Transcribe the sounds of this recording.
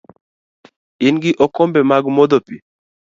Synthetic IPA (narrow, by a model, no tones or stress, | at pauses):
inɡɪʔokombɛmaɡmod̪opi